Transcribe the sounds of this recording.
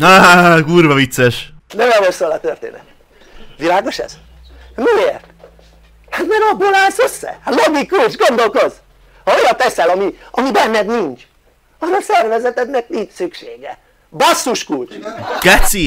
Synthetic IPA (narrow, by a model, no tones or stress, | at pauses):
aɦaɡuːrvɒvit̪sːɛʃnɛmɛlmosoːlɒt̪ørt̪ḛːnɛ̰t̪ | ʋilaːɡo̞ʃɛ̰z̥ | mieːrt̪ | hat̪mɛɾɒbolaːlsøsːɛ̰haloɡikːulʃɡo̞nd̪o̞lko̞z | ɒojɒt̪ɛsɛlɒmiɒmibɛnːɛd̪nint͡ʃ | ɒolsɛrvɛzɛt̪ɛnɛknint͡ʃsykʃeːɡɛ | bɒsːuʃkult͡ʃkɛt̪si